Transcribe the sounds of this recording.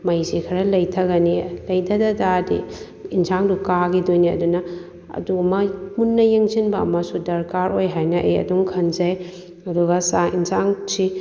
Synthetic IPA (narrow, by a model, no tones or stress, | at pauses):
mɐjzikʰɐɾɐlɐjtʰɐɡɐnilɐjdʰɐdɐdadḭ | insʰaŋdukaɡidojniɐ̰dunɐ | ɐ̰dumɐmunːɐjeŋzinbɐ̰ːmɐsudɐɾkaɾojɦajnɐʔḛjɐ̰duŋkʰɐnzɐj | ɐduɡɐsaḭnsaŋsi